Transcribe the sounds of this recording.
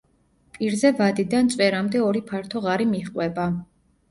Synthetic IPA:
pʼiɾzɛvad̪id̪ant̪sʼwɛɾamd̪ɛɔɾipʰaɾt̪ʰɔʁaɾimiχqʼwɛba

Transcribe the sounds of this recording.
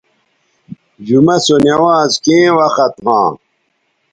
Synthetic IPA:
d͡ʑumɐsonɐwãːzkẽːwɐxɐt̪ɦã̰ː

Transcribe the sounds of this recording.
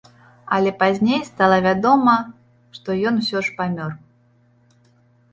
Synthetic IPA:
ɐlʲɛpazʲnʲejst̪alˠɐvʲad̪ɔmɐ | ʂt̪ɔjɔnwsʲɔʂpamʲɔr

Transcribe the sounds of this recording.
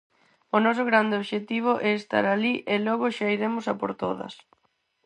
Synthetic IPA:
ʊnɔs̬ʊɣɾand̪eoβʃet̪iβ̞ʊʔɛest̪a̰ɾaliʔelɔɣʊʃaiɾemʊsapo̰ɾt̪oðɐ̰s

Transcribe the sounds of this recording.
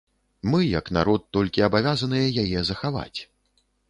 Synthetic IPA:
mɨjɐkna̰ɾɔt̪ːɔlʲkʲiɐbavʲazɐnɨjɐjajɛzɐxava̰t͡sʲ

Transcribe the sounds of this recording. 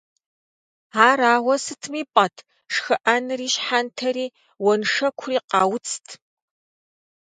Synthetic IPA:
aːɾaːwʷɐsɨtʰmiːpʼɐtʰ | ʂxɨʔɐnɨriːɕħantʰɐɾiː | wɔnʂɐkʷʰʊriːqɑːwʊt͡sʰtʰ

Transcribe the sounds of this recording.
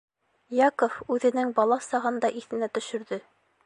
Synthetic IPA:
jɑkofʉðɘ̆nɘŋbɑlˠɑsɑʁɤnd̪ɑʔiθɘ̆næt̪ɵ̆ʃɵ̆ɾðɵ

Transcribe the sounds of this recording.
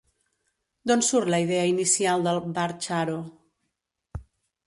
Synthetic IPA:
d̪onsuɾləiðɛəinisialˠd̪əlˠbaɾt͡ʃaɾo

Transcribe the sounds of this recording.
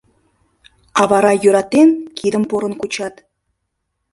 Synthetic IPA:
ɑvɑɾɑjyɾɑt̪ːenkʰid̪ə̆mpoɾɤ̆nkut͡ɕɑt̪

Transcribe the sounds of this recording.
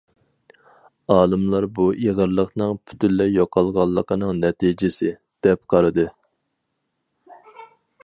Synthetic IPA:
ɑːlˠɨmlˠɑɾbuʔeʁəɾlˠəqnɨŋpʰy̥t̪ʰynlːɛjoqʰɑlˠʁɑlˠːəqʰənɨŋnɛt̪ʰid͡ʒɪsɪ | d̪̥ɛp̚qʰɑɾɨd̪ɨ

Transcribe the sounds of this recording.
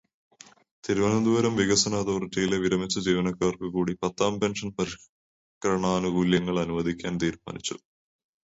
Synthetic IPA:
t̪iɾuʋɐnɐnd̪uʋɐɾɐmʋiɡɐsɐnaːd̪oːrʈːijileʋiɾɐmit͡ɕːɐd͡ʑiːʋɐnɐkːaːrkukuːɽipɐt̪ːaːmpe̞nʂɐnpɐɾi | kɾɐɳaːnuɡuːljɐŋːɐɭɐnuʋɐd̪ikʲːaːnt̪iːɾma̰ːnit͡ɕːu̥̰

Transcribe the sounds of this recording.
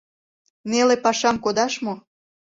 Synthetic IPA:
nelepɑʃɑmkod̪ɑʃmo

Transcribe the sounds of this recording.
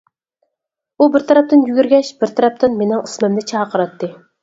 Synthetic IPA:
ubɪɾt̪ʰɑɾɛp̚t̪ɪnjyɡʲyɾɡʲɛʃbɪɾt̪ʰæɾɛp̚t̪ʰɪnmenɪŋɨsmɪmd̪ɪt͡ʃʰɑːqʰəɾɑt̪ːɨ

